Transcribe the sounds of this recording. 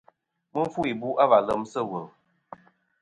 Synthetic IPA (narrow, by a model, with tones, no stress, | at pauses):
mə˦ɱ˦fu˦i˨bu˦ʔa˦va˨lə˦msə˦wə˨